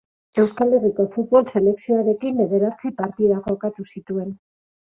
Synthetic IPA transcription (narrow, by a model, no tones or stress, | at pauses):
e̞wskale̞rikofut̪̚βo̞lse̞le̞ksio̞aɾe̞kimbe̞ð̞e̞ɾat͡sipaɾt̪iðaɣokat̪usit̪ue̞n